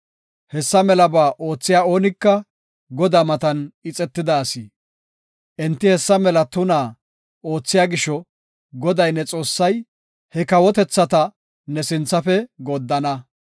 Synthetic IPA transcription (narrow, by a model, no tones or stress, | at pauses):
hɛsːɐmɛlɐbaːʔo̞ːt͡sːɪjaːo̞ːnɪkːɐ | ɡɔd̪aːmɐt̪ɐnɪt͡sʼɛt̪ːɪd̪aːsiː | ʔɛnt̪ːɪhɛsːɐmɛlɐt̪ʊnaː | ʔoːt͡sːɪjaːɡɪʃɔ | ɡɔd̪ɐjnɛt͡sʼo̞ːsːɐj | hɛkɐwɔt̪ɛt͡sːɐt̪ɐ | nɛsɪnt͡sːɐfɛɡod̪ːɐnɐ